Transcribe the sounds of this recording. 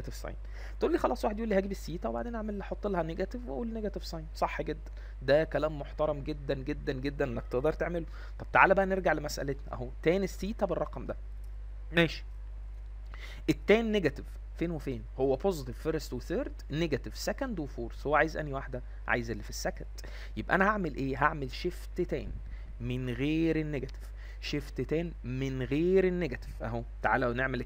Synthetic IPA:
æt̪evsˤɑ̰jn | t̪eʔuːlːiːxɑlˤʔɑːsˤwaħed̪jʔulːihæːɡebesːiːt̪æwebaʕd̪eːnʔaʕmelħot̪ˤːelɑhæneɡæt̪evweʔuːlːneɡæt̪evsˤɑjnsˤɑħːɡed̪ːæn | d̪ækælæːmːoħt̪ɑɾˤɑmɡed̪ːænɡed̪ːænɡed̪ːænʔenːækt̪eʔd̪ɑɾˤt̪eʕmelo | t̪ˤɑb̚t̪aʕalæbæʔæneɾɡaʕlemæsʔæ̰let̪næ̰ʔhowæt̪ːæːniesːiːt̪æberˤːɑqɑmd̪æ | mæːʃi̥ | ʔet̪ːæːnːeɡæt̪ev | feːnwefeːnhowːæpozet̪evfeɾest̪weθøːɾd̪neɡæt̪evsækænd̪wefoːɾshowːæʕajezʔæ̰niwaħd̪æ | ʕa̰ːjezʔelːifisːækænd̪̥ | jebʔæʔæ̰næhaʕmelʔeːɦaʕmelʃeft̪et̪æ̰ːn | menɣeːɾenːeɡæt̪e̥v̥ | ʃeft̪et̪æːn | menɣeːɾenːeɡæt̪e̥vʔæɦot̪aʕa̰ːlæweneʕmel

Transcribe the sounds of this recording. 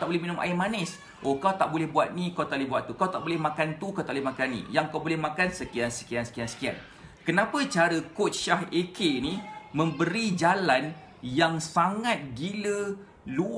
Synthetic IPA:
t̪aʔbolɛhmĩnʊ̃mʔa̰imanəs | ʔokawt̪aʔbolɛhbuat̪̚nĩkawt̪aʔlɛbuwat̪ːukawt̪aʔbolɛhmãkant̪ukawt̪aʔbolɛhmakanːḭ̃jaŋkawbolɛhmãkansəkiansə̥kiansə̥kiansə̥kia̰n | kənãpət͡ʃaɾəkʊt̪̚ʃahekeinimə̃mbəɾid͡ʒalan | jaŋsaŋat̪̚ɡilə | lu

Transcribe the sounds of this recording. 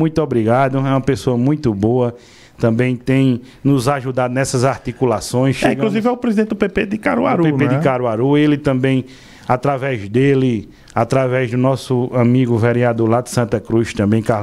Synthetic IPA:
mũj̃t̪ʊobɾiɡad̪ʊɛũmɐpesoɐmũj̃t̪ʊboɐ | t̪ɐ̃mbẽj̃t̪ẽj̃ | nʊzaʒud̪ad̪ʊnɛsɐzaɾt̪ikulasõj̃sʃeĩɡkluzivɛʊupɾezidẽt̪ɪd̪ʊpeped̪ɪkaɾua̰ɾupenped̪ɪkaɾuaɾuelɪt̪ɐ̃mbẽj̃ | at̪ɾavɛzd̪elɪ | at̪ɾavɛzd̪ʊnɔsʊɐ̃miɡʊveɾiad̪oɾlad̪ɪ̥sɐ̃nt̪ɐkɾuʃt̪ɐ̃mbẽj̃ka

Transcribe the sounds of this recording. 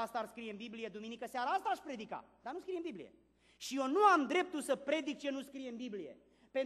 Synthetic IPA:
ast̪aarskɾije̞ɨmbiblije̞d̪uminikəsaɾaast̪aːʃpɾe̞d̪ika̰d̪anuskɾijembiblḭje̞̰ | ʃijo̞nuamd̪ɾe̞p̚t̪ulsəpɾe̞d̪ik̚t͡ʃe̞nuskɾije̞ɨmbiblije̞̰ | pe̞n

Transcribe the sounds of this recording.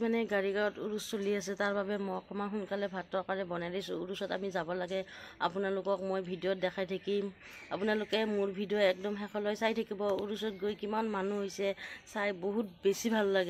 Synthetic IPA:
manɛɡaɹiɡaɹɔtuɹusːolias̬ɛtaɹbabɛmɔkʰɔmaxunkalɛbʱatɔkaɹɛbɔnajdajsʊ̃uɹusɔta̰mizabɔlaɡɛa̰punalʊkɔk̚mojbʱidiɔt̚dɛkʰajtʰakim | apʊnalʊkɛmʊɹbʱidiɔɛk̚dɔmɦɛxʰɔlɔjsajtʰakibɔuɹusɔt̚ɡojkimanmanuɦojsɛsajboɦut̚besibʱalːaɡɛ

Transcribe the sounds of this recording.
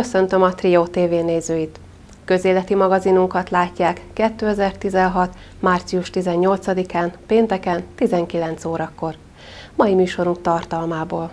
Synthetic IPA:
køsø̞nt̪ø̞mɒt̪rioːt̪eːveːneːzøːjit̪ | kø̞zeːlɛt̪imɒɡɒzinuŋkɒt̪laːcːaːkːɛt̪ːøːɛzɛrt̪izɛnɦɒt̪ | maːrt̪siuʃt̪izɛɲːo̞lt̪sɒd̪ikaːnpeːnt̪ɛkɛnt̪izɛŋkilɛn̪t̪soːɾɒkːo̞r | mɒjimyːʃo̞ɾuŋk̚t̪ɒrt̪ɒlmaːboːl

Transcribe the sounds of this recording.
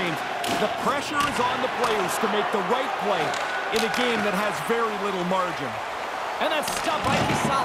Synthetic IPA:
ɪ̃n | ðɨpʰɹ̥ɛʃə˞ɨzn̩ðəpʰl̥eɪəz̥tʰɨmeɪk̚ðəɹaɪt̚pʰl̥eɪ | ɨ̃nɨɡẽɪ̃mðɨt̚ɦɨzvɛɹilɪɾl̩ˠmɑɹd͡ʒɨ̰̃n | ɨ̃nɨtstʌpaɪk̚bɨsa

